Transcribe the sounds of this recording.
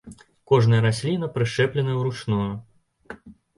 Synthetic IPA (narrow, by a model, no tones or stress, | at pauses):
kɔʐnɐjɐɾasʲlʲinɐpɾɨʂɛplʲɛnɐjwɾut͡ʂnɔjɛ